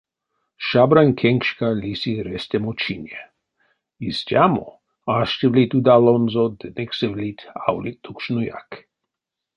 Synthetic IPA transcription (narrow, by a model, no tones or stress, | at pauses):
ʃabɾanʲkʰeŋkʃkalisiɾest̪ʲɛmot͡ʃinje | istʲjamo̰ | aʃtevlit̪ud̪alonzod̪əneksɛvlit̪ʲa̰wlit̪ukʃnuja̰k